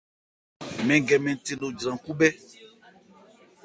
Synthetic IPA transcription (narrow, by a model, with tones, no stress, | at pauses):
mɛ̃˨ŋɡɛ˨mɛ̃˨n˨te˨no˨d͡ʒɾã˨ku˦bɛ˦